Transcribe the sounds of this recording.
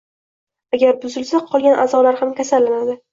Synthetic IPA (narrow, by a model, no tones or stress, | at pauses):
aɡʲaɾbʊzɪlsaqʰɒlˠɡʲanʔa̰zɒlaɾhamkʲʰasalːanad̪ɪ